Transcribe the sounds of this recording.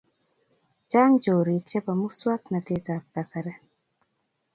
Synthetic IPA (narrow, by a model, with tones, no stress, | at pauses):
t͡ʃa˦ŋd͡ʒo˨ɾi˨t͡ʃɛ˦pa˨mu˦swa˦kna˨te˦ta˨p̚ka˨sa˨ɾɛ˦